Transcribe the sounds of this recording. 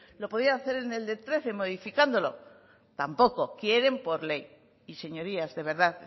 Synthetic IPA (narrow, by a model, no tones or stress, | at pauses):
lo̞po̞ðiaːθe̞ɾe̞ne̞ld̪e̞t̪ɾe̞θe̞mo̞ð̞ifikand̪o̞lo̞ | t̪ampo̞ko̞kje̞ɾe̞mpo̞ɾle̞j | ise̞ɲo̞ɾiazðe̞β̞e̞ɾðað